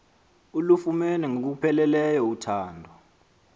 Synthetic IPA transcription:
ulufumɛnɛŋok̬upʰɛlɛlɛjɔutʰaːndʱɔ

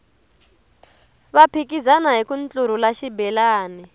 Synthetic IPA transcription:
βapʰikizanaɦikunt͡ɬʼuɾ̤ulaʃibɛlaːni

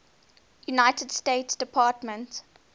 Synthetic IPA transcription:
junaɪtədsteɪtsd̥əpʰɑːtmə̃nt

